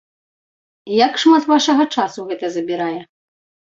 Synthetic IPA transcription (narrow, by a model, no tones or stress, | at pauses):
jakʂmat̪vaʂɐɣɐt͡ʂasuɣɛt̪ɐzɐbʲiɾajɛ